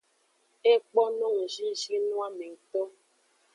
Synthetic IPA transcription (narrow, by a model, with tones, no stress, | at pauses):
e˦k͡pɔ˦nɔ˦ŋ̩˨ʒi˦ʒi˦nɔ̃˦a˦me˨ŋ̩˨to˦